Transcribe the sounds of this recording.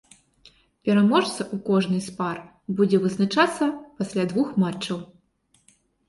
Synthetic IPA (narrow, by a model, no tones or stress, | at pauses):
pʲɛɾamɔʂt̪sɐʔukɔʐnɨspar | bud͡zʲɛvɨznat͡ʂat̪sːɐpasʲlʲad̪vuxmat͡ʂt͡ʂːɐw